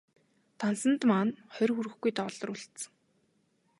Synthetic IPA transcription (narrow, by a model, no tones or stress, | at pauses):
t̪ʰansə̆nt̪maːnχœrʲxuɾɘ̆xɡujt̪ɔɮɞ̆rʊːɮt̪sə̥̆ŋ